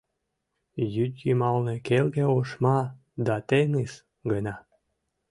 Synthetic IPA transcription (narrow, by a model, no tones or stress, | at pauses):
jyt̪ʲjimɑlnekelɣeoʃmɑ | d̪ɑt̪eŋis | ɡənɑ